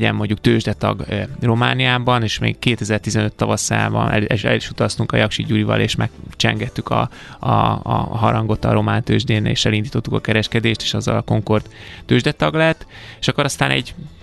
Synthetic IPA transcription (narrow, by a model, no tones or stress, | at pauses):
ɛ̰mːo̞ɲɟuk̚t̪øːʒd̪ɛt̪ɒ̰ɡro̞ma̰ːnijaːbɒneːʃmḛːkkeːt̪ɛzɛrt̪izɛnøt̪ːɒvɒsa̰ːvɒ̰nɛlɛɛ̰liʃut̪ɒst̪uŋkɒjɒkʃiɟuɾivɒ̰lʔḛːʃmɛkt͡ʃɛ̰ŋɡɛt̪ːykʰɒ̰ | ɒ̰ɦɒɾɒŋɡo̞t̪ɒ̰ɾo̞maːnt̪øːʒd̪eːnḛːʃɛlind̪iːt̪o̞t̪ːukɒkɛɾɛʃkɛd̪eːʃt̪e̥ːʃɒzːɒ̰lɒko̞ŋko̞rt̪ːøːʒd̪ɛt̪ɒɡlɛɛt̪ːeʃɒkːoɾɒst̪aːnɛ̰ɟ